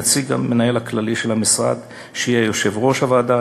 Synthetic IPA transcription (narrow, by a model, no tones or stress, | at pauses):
t͡siɡa̰menaje̞lhaklaliʃelamisʁa̰d̪ | ʃijejoʃe̞vʁo̞ʃavaːd̪a